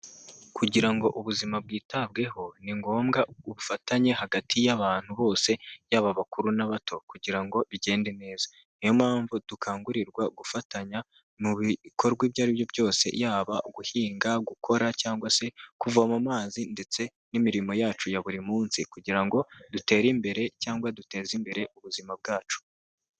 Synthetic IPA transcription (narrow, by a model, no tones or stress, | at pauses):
kuɟiɾaŋɡo̞ʔuβuzimab̚ɡiːtab̚ɡe̞ho̞niŋɡo̞ːmɡauβufataɲe̞haɡatʰijaβaːn̥huβo̞ːse̞jaːβaβakuɾunaβatʰo̞kuɟiɾaŋɡo̞βiɟe̞ːndene̞ːzḁ | nijo̞maːɱvud̥ukʰaːŋɡuɾiɾɡwaɡufataɲa | muβikʰo̞ɾɡwibjaːɾiβjo̞bjo̞ːse̞̰jaːβaɡuhiːŋɡaɡukʰo̞ɾacaːŋɡwase̞kuvuamamaːzinde̞t͡se̞ | nimiɾimo̞jaːt͡ʃujaβuɾimuːnsikuɟiɾaŋɡo̞dute̞ːɾimbe̞ɾe̞caːŋɡwadute̞ːzimbe̞ɾe̞ʔuβuzimab̚ɡaːt͡ʃu̥